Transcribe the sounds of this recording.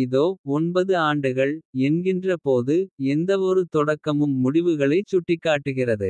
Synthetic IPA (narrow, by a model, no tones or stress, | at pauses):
ɪðoːɔnbɐðɯaːɳɖɯɣɐɭɛnɡɪndrɐpoːðɯɛnd̪ɐʋɔɾɯt̪ɔɽɐkːɐmɯmːʊɽɪʋɯɣɐɭɐɪt͡ʃːʊʈːɪkːaːʈːɯɣɪrɐðɯ